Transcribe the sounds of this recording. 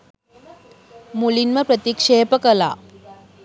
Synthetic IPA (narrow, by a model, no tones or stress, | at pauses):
mulinmɐpɾət̪ikʂeːpəkəla̰